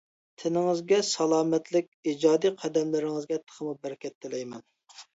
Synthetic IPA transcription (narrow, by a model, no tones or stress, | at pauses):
t̪ʰɪnɪŋɪzɡʲɛsɑlˠɑːmɛt̪lɪk̚ʲid͡ʒɑːd̪ijqʰɑd̪ɛmlɪɾɪŋɨzɡʲɛt̪ʰə̥qʰəmubɛɾɪkʲɛt̪ʰːɪlɛjmɛn